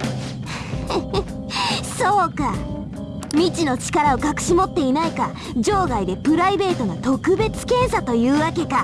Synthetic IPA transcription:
so̞ːka | mʲit͡ɕino̞t͡ɕi̥kaɾao̞kakɯ̟̥ɕimo̞t̪ːe̞inaika | d͡ʑo̞ːɡaid̪e̞pɯ̟ɾaibe̞ːt̪o̞nat̪o̞kɯ̟be̞t͡sɨ̥kẽ̞ɰ̃sat̪o̞jɯ̟ːβake̞ka

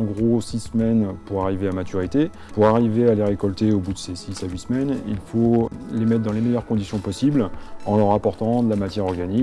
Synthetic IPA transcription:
ɑ̃ɡʁosisəmɛnpuʁaʁiveamat̪yʁit̪e | puʁaʁivealeʁekɔlt̪eobud̪əsesisaɥismɛnḭlfolemɛt̪χd̪ɑ̃lemɛjœʁkɔ̃d̪isjɔ̃pɔsiblɑ̃lœʁapɔʁt̪ɑ̃d̪əlamat̪jɛʁɔʁɡani

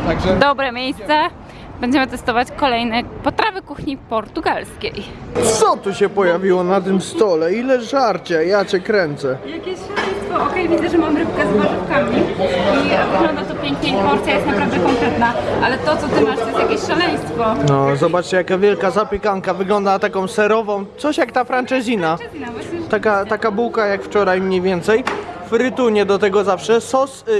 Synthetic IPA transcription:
aɡd̪ɔbɾɛmʲejst̪sɛ | b̥ɛɲd͡ʑɛmɘt̪ɛst̪ɔvat͡ɕkɔlɛjnɛpɔt̪ɾavɘkuxɲipɔɾt̪uɡalskʲejt̪sɔt̪uɕɛpɔjavʲiwɔnat̪̬ɘmst̪ɔlɛilɛʐaɾt͡ɕɛjat͡ɕɛkɾɛnt̪sɛjakʲeɕʂalɛj̃st̪fɔɔkɛjvʲid̪zɛʐɛmamɾɘpkɛzmaɾɨpkamʲiivɨɡlɔnd̪at̪ɔpʲjɛŋkɲʲej̪pɔɾt̪sʲjajɛst̪napɾavd̪ɛkɔŋkɾɛt̪naʔalɛt̪ɔt̪sɔt̪ɪmaʂt̪ɔjɛst̪jakʲeɕʂalɛj̃st̪fɔnɔzɔbat͡ʂt͡ɕɛjakavʲjɛlkazaɔpʲjɛkaŋkavɘɡlɔnd̪at̪akɔ̃w̃sɛɾɔvɔ̃w̃t̪sɔɕjakt̪afɾant͡ʂɛzʲina | t̪akat̪akabuwkajakft͡ʂɔɾajmɲejvʲjɛnt̪sɛjfɾɘt̪uɲɛd̪ɔt̪ɛɡɔzafʂɛsɔs

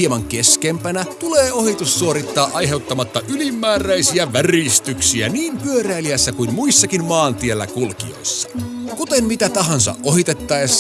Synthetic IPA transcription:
iemɑŋk̟e̞skempænæt̪uleːo̞hit̪usːuoɾit̪ːɑːʔɑjɦe̞wt̪ːɑmɑt̪ːɑʔylimːæːræjsiæʋærist̪yksiæ̰niːmpyøɾæiliæsːækujmmuisːɑkinmɑːnt̪ielːæ̰kulkḭo̞̰jsːɑ̥kut̪e̞mmit̪æt̪ɑɦɑnsɑ̰ʔʔo̞ɦit̪e̞t̪ːɑjs

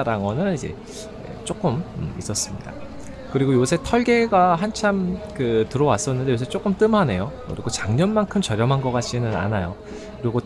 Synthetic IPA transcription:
ɾaŋʌnɯnid͡ʑe̞̰ | ḛt͡ɕ͈ok͈ɯmɯis͈ʌs͈ɯmɲḭda̰ | kɯɾiɡojosʰe̞tʰʌɭɡe̞ɡaɦant͡ɕʰamkɯtɯɾʌwas͈ʌnːɯndejosʰet͡ɕ͈ok͈ɯmt͈ɯmɦane̞jokɯ̰ɾiɡot͡ɕaŋɲʌnmankʰɯmt͡ɕʌɾjʌmɦanɡʌk͈at͡ɕ͈inɯna̰najo | kɯɾiɡo

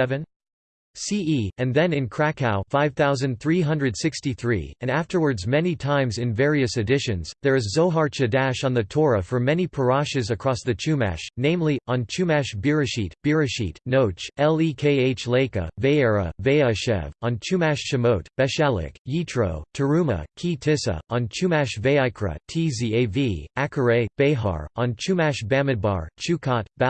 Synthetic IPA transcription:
ɛvɨ̃n | siiɨ̃nðɨ̃nɨ̃nkʰɹ̥ækʰaʊfaɪv̥θaʊzɨ̃nθɹiɦʌ̃ndɹɨdsɪkstiθɹḭɨ̃næftə˞wə˞dzmɛnitʰãɪ̃mzɨ̃nvɛɹiɨsɨdɪʃɨ̃nzðə˞ɨzːoʊɦɑɹt͡ʃɨdæʃn̩ðɨtʰɔɹɨfə˞mɛnipʰə˞ɑʃɨzɨkʰɹ̥ɔsðɨt͡ʃʰʉmæ̰ʃnẽɪ̃mliə̃nt͡ʃʰʉmæʃb̥ɪɹɨʃit̚b̥ɪɹɨʃḭtnoʊt͡ʃɛlˠikʰeɪeɪt͡ʃleɪkɨ̰veɪɛɹə̰veɪəʃɛ̰və̃nt͡ʃʰʉmæʃʃɨmoʊt̚b̥ɨʃælˠɪ̰kjitʰɹ̥o̰ʊtʰə˞ʉmə̰kʰitʰɪsə̰ʔə̃nt͡ʃʰʉmæʃveɪaɪkʰɹɨ̰tʰizieɪviækʰə˞eɪb̥eɪɦɑ̰ɹə̃nt͡ʃʰʉmæʃbæ̃mɨd̚bɑ̰ɹt͡ʃʰʉkʰɑt̚b̥

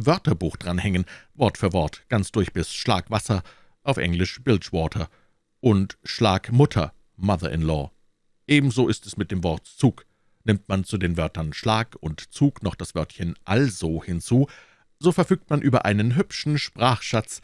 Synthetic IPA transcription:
vœɐtɐbuːxd̥ʁanhɛŋənvɔɐtfyːɐvɔɐtɡ̥ant͡sd̥ʊɐçb̥ɪsʃlaːkv̥asɐ | ʔaʊfʔɛ̰ŋlɪʃb̥ɪltʃv̥ɔɐtʰɐ | ʔʊntʃlaːkmʊtʰɐ̰ | maðɐ̰ʔɪ̰nlɔ̰ː | ʔeːbm̩zoːɪstɛsmɪt̚d̥eːmvɔɐtt͡suːk | nɪmtmant͡sudeːnvœɐtɐnʃlaːkʊntt͡suːknɔχd̥asv̥œɐtçənʔalzoːhɪnt͡suː | z̥oːfɛɐfyːk̚tmanʔyːbɐ̰ʔa̰ɪnənɦʏpʃn̩ʃpʁ̥aːχʃat͡s

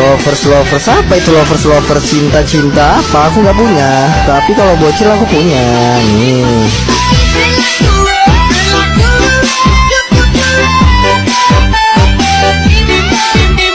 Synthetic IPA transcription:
ɔfərslofərsapait̪ulofərslofərt͡ʃint̪at͡ʃint̪aːpaːkuŋɡaʔpuɲat̪apikalobuat͡ʃirlakupuɲa | ni

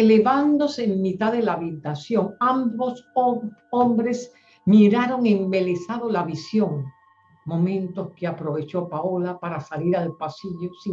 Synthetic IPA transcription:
ele̞βand̪o̞seːmmːit̪aðe̞laːβit̪asjo̞ŋambosoombɾe̞s | miɾaɾo̞ŋembele̞saðolaβisjo̞ŋ | mõ̞mẽ̞nt̪o̞skeapɾo̞βe̞t͡ʃo̞paolapaɾasaliɾalpasiʝo̞si

